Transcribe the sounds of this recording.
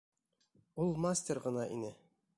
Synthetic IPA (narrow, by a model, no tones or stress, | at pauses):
ulˠmasʲtʲerʁɤ̆nɑʔḭnɘ